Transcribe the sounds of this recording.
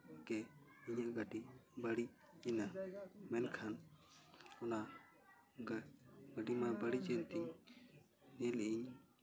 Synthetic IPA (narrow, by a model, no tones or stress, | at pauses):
ɡɛ | iɲaʔɡaɖibaɽi | ɛnamɛnkʰan | ɔna | ɡɡaɖimabaɽid͡ʒɛnt̪iɲ | nɛlɛʔiɲ